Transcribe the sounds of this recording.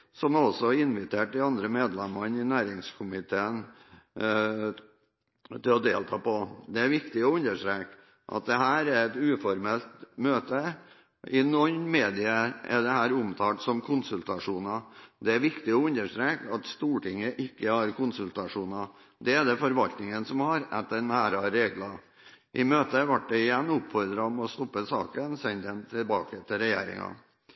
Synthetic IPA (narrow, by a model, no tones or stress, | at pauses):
sɔmɔsɔɪnʋɪt̪ʰeːʈɪɑnd̪ɾəmeːd̪lɛmɑnɪnæːɾɪŋskʰʊmɪt̪ʰeːən | t̪ɪlɔd̪ḛːlt̪ʰɑ̰ːpɔd̪ɛæɾʋɪkt̪ɪɔʉnəʂʈ̪ɾeːk | ʔɑ̰t̪̚d̪ɛɦæːɾæɾɛt̪ʉːfɔɾmɛlt̪møːt̪ə | ɪnɔnmeːd̪ɪəɛ̰d̪ɛhæːɾʊmt̪ʰɑːt̪sɔmkʰʊnsʉlt̪ɑʂuːnɑd̪ɛæɾʋɪkt̪ɪɔʉnːəʂʈ̪ɾeːkɑt̪st̪uːʈɪŋːəʔɪkːəhɑɾkʰʊnsʉlt̪ɑʂuːnɑ | d̪ɛæd̪ɛfɔɾʋɑlt̪nɪŋənsɔmhɑɾɛ̰t̪ːənæːɾɑɾeːɡlɑ | ʔɪmøːt̪əʋɑʈ̚dɛɪjɛnːʊpfɔɾd̪ɾɑmɛɔst̪ɔpːəsɑ̰ːkənsɛnd̪ɛnt̪ʰɪlbɑːkət̪ʰɪlɾɛjḛːɾɪ̰ŋɑ̰